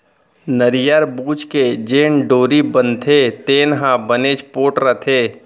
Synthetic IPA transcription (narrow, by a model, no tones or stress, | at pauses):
nəɾɪjaɾbuːd͡ʒked͡ʒeːnɖoːɾibənt̪ʰet̪eːnɦãbəneːd͡ʒpoːʈɾɐt̪ʰeː